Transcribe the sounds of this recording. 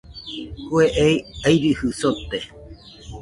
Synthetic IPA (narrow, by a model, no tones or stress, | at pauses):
kweʔejajɾɨhɨsot̪e